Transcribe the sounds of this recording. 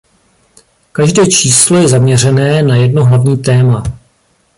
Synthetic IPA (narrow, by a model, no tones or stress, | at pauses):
kaʒdɛːt͡ʃiːslo̞jɛzamɲɛr̝ɛnɛːnajɛdnoɦlavɲiːt̪ɛːma